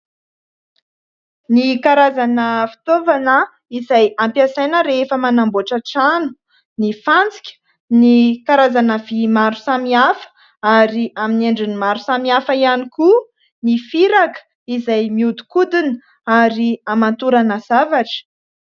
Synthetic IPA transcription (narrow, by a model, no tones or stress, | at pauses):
nikaɾazanəfi̥t̪ovanə | izajampjasajnəɾefəmanamboʈ͡ʂaʈ͡ʂanu̥ | nifant͡si̥kʲə̥ | nikaɾazanəvimaɾu̥samiafə̥ | aɾiamineɳɖ͡ʐinimaɾusamiafəianiku | nifiɾakə̥ | izajmiud̪u̥kud̪in | aɾiamant̪uɾanəz̥avaʈ͡ʂə̥